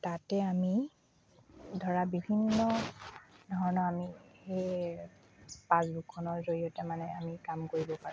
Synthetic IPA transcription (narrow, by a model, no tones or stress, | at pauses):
tatɛami | dʱɔɹabibʱinːɔ | dʱɔɹɔnɔamixej | pazbukʰɔnɔzoɹijɔtɛmanɛamikamkoɹibɔpaɹu